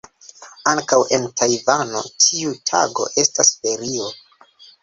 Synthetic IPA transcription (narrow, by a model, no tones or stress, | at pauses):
aŋkawʔe̞ntʰajvano̞̰tʰiutʰa̰ɡo̞̰ʔe̞stasfe̞ɾio̞